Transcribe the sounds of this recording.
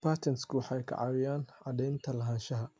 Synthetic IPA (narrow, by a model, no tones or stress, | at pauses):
pʰaːt̪ʰɛnskʰʊwɑħɑɛjkʰɐ̰ʕɑ̰wɪjaːnʕɑd̪ɛjnt̪ʰɐlɐɦaːnʃɐɦɐ